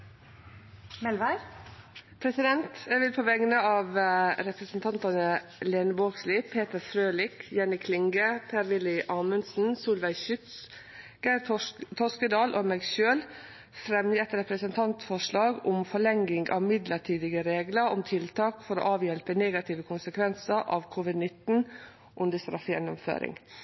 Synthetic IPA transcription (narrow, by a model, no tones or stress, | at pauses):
mɛlʋæ | pʰɾɛsɪd̪ɛnt̪ɛʋɪlpʰoːʋɛɡnəɑːʋɾɛpɾəsənt̪ʰɑnt̪ɑnəleːnəboːksliːpʰeːt̪əɾfɾøːlɪkjɛnɪkʰːlɪŋɡəpʰæːɾʋɪlɪʔɑːmənsn̩suːlʋæɪʃʏt̪s | ɡ̥æɪt̪ʰɔskəd̪ɑːlʔomɛɡʃøːl | fɾɛmjɛt̪ɾɛpɾəsənt̪ʰɑnt̪fɔʂɭɑːɡʊmfɔɭɛŋːɪŋɡɑ̰ʋmɪd̪ləʈʰyːd̪ɪɡəɾeːɡləɾʊmt̪ʰɪlt̪ʰɑːkfɔɾo̰ːʔɑːʋjɛlpəneːɡɑt̪ʰɪːʋəkʰʊnsəkʰʋɛnsəɾʔɑ̰ːʋkʰuʋɪd̪nɪt̪n̩ | ʔʉnd̪əst̪ɾɑ̰fjɛ̰nːʊmfø̰ːɾɪ̰ŋ